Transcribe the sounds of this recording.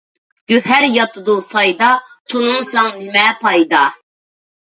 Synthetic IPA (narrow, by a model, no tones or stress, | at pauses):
ɡ̥øhæɾjɑt̪ʰud̪usɑjd̪ɑt̪ʰunuŋsɑŋnɪmɛpʰɑjd̪ɑ